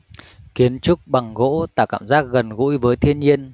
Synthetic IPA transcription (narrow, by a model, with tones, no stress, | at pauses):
ki˨˦ənt͡ɕʊ˦˥k͡p̚ɓa˨˩ŋɣo̰˧˥t̪a̰ː˧˩kaː˧˩˨mzaː˦˥k̚ɣə˨˩nɣṵ˧˥jvəː˨˦jt̪ʰi˧ənɲi˧ən